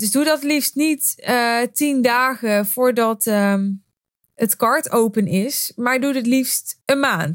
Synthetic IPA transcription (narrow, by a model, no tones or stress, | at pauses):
døsdudɔtlifstnittindaːɣəv̥ʊːɹdɔt | ətkɑɹtowpənɪsmaɹdudətlifstənmaːn